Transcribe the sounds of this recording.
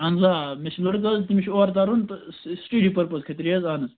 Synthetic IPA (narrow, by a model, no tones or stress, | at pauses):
ɐnzaːmeʃʰʲilɐɽkɐzt̪imʲʃʰoːɾt̪̬aɾunt̪ɨssʈiɖipɐɾpɐzkʰɐt̪ɾiɐzaːnɐz